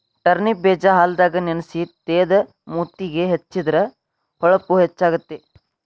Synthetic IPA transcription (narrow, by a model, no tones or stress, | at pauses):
ʈɐɾnibɛːd͡ʒɐɦaːld̪aːɡɐnenɐsit̪eːd̪ɐ | muːt̪iɡeɦet͡ʃːid̪ɐɾɐ | hɔɭɐpːuɦet͡ʃːaːɡut̪ːe